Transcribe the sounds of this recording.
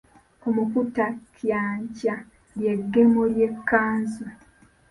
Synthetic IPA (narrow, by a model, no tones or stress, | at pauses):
omufutakjaːɲca | lje̞ɡːemoljekːaːnzu